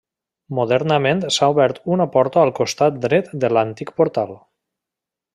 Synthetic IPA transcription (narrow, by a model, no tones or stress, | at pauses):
muðɛɾnəment̪sauβɛɾt̪unəpɔɾt̪aːlˠkust̪at̪̚d̪ɾɛt̪d̪əlant̪ik̚puɾt̪alˠ